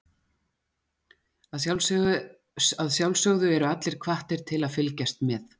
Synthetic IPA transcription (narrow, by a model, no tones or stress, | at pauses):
aðal | aðsjawlsœɣðʏɛɾʏat̪lɪɾ̥kʰvaht̪ɪɾ̥t̪ʰɪlaðfɪlcast̪mɛθ